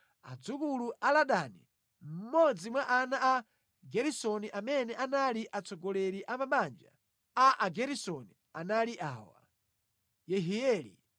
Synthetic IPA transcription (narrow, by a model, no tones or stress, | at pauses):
a̰d͡zukuluʔalaɗani | m̩mɔd͡zimwaʔanaa | ɡɛɾisɔniʔamɛnɛʔanaliʔat͡sɔɡɔlɛɾiʔamaɓand͡ʒa̰ | aʔaɡɛɾisɔni | analiʔa̰ːwa̰ | jɛɦiɛːlḭ